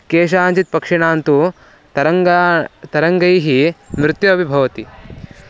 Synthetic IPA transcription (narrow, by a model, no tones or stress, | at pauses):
keːʃ̬aːɲd͡ʒit̪̚pɐkʂɐɳaːnt̪u | ɐ | t̪ɐɾɐŋɡɐjɦimɾɪt̪jɐɐbʱibʱɐʋɐt̪i